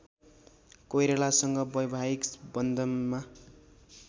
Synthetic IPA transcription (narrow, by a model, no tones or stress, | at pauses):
kojɾelasʌŋɡʌbʌjbʱaikbʌnd̪ʱʌnma